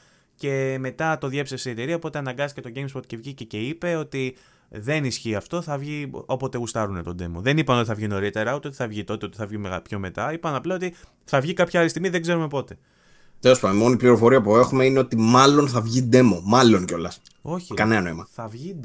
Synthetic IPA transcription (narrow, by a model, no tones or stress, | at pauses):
ce̞me̞t̪ɐt̪o̞ðje̞psesiet̪e̞ɾiɐopo̞t̪e̞ɐnɐŋɡɐst̪icet̪oɟejmspo̞t̪̚cevʝicece̞ipe̞o̞t̪i | ðe̞nisçiɐft̪o̞θɐvʝio̞po̞t̪eɣust̪ɐɾune̞t̪od̪e̞mo̞ðe̞nipɐno̞t̪iθɐvʝino̞ɾit̪e̞ɾɐut̪eo̞t̪e̥θɐvʝit̪o̞t̪eot̪i̥θɐvʝimepço̞me̞t̪ɐipɐnɐplɐo̞t̪i | θɐvʝikɐpçɐɐlistiɣmiðeɡze̞ɾume̞po̞t̪e̞ | ðeospɐnimo̞nipliɾo̞fo̞ɾiɐpue̞xume̞ineo̞t̪imɐlo̞nθɐvʝid̪e̞mo̞mɐlo̞nceo̞lɐs | o̞çikɐneɐnoemɐθɐvʝid̪